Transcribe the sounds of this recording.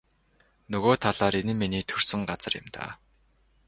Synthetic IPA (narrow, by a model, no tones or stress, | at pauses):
nɵɣoːt̪ʰaɮaːɾenɘ̆mːiniːt̪ʰɵr̥sɘ̆ŋɢat͡sə̆rjɪ̰̆mt̪a̰ː